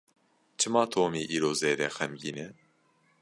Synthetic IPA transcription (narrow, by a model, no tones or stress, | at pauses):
t͡ʃʰɨmɑːt̪ʰoːmiːʔiːɾoːzeːɾɛxɛmɡiːnɛ